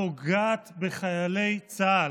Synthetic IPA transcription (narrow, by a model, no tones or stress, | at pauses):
oɡaːt̪beχajale̞jt͡sa